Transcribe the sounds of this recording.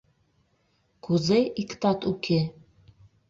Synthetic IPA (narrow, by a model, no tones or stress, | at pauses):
kʰuzejikʰt̪ʰat̪ʼukʰʲe